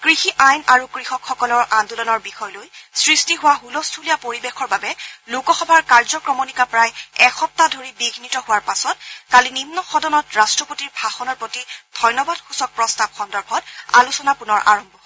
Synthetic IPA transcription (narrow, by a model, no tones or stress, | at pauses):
kɹixiʔajnaɹukɹixɔkxɔkɔlɔɹʔandulɔnɔɹbixɔjlojsɹistiɦʊwaɦulɔstʰulijapoɹibexɔɹbabɛlukɔxɔbʱaɹkaɹzɔkɹɔmonikapɹajɛxɔp̚tadʱoɹibiɡʱnitɔɦʊwaɹpasɔt̚kalinimnɔxɔdɔnɔtɹastɹɔpotiɹbʱaxɔnɔɹpotid̥ʱɔjnɔbadxusɔk̚pɹɔstab̚xɔndɔɹbʱɔta̰lusɔnapunɔɹʔa̰ɹɔmbʱɔ